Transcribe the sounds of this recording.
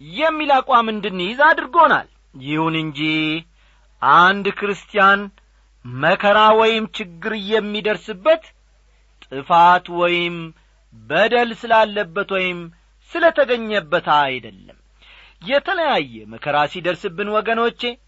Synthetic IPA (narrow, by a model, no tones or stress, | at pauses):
jɛmːilakʼwamɨnd̪ɨnːɨjɪzad̪ɨɾɡo̞na̰l | jɪhunɨɲd͡ʒih | ʔand̪kɨɾɨst̪ʼijan | məkʰəɾawɔjɪmt͡ʃɪɡːɨɾjɛmːid̪əɾsɨbːət̪ | t̪ʼɨfat̪wɔjɪm | bəd̪əlsɨlalːəbːət̪wɔjɪm | sɨlət̪ʰəɡəɲːəbːət̪ajd̪əlːə̰m | jɛt̪ʰələjajːɛməkʰəɾasid̪əɾsɨbːɨnwɔɡəno̞t͡ʃːe̞